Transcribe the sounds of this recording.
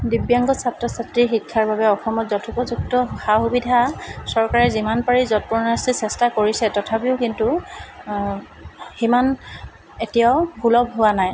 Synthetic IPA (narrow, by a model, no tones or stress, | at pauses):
dibjaŋɡɔsap̚tɔsatɹiɹxikʰːaɹbabɛɔxɔmɔtzɔtʰupɔzuk̚tɔxaxubidʱasɔɹkaɹɛzimanpaɹizɔt̚pɔɹnastisɛstakoɹisɛtɔtʰapiʊkintu | ximan | etijaʊɡulɔb̚ɦʊwanaj